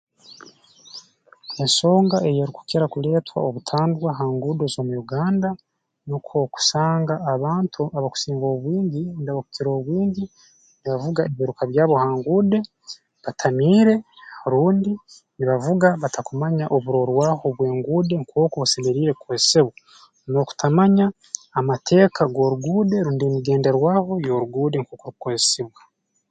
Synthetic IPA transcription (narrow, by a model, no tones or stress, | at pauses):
enso̞ːŋɡaʔe̞jeɾiku̥keɾakule̞ːtwa̰oβutʰaːndwaɦaːŋɡuːde̞zoːmujuɡaːnda | nokʰoku̥saːŋɡaːβaːntʰuʔaβaku̥siːŋɡo̞ːβwiːɲɟinidaβaku̥ciɾo̞ːβwiːɲɟi | niβavuɡaeβiiɾukaβjaːβo̞haːŋɡuːde̞ | βatʰamiːɾe̞ɾuːndi | niβavuɡaβatʰakumaɲaʔoβuɾo̞ɾwaːho̞βwe̞ːŋɡuːde̞ŋkʰoːkoβuseme̞ɾiːɾe̞kuweseβwa | no̞ku̥tʰamaɲaː | matʰe̞ːkʰaɡo̞ɾuɡuːdeɾuːndiemiɡe̞ːndeɾwaːho̞jo̞ɾuɡuːdeŋkoːkoɾukoesiβwa